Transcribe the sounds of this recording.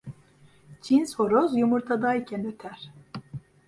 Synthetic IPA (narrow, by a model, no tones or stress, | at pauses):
t͡ʃʰinsho̞ɾozjumuɾt̪ʰad̪ajcʰɛnøt̪ʰæɾ̥